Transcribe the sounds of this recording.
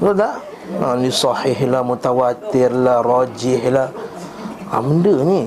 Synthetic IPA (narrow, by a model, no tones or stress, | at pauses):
lola | anisɑhɪhlamut̪awat̪ɪrlarɔd͡ʒɪhlah | a̰məndəni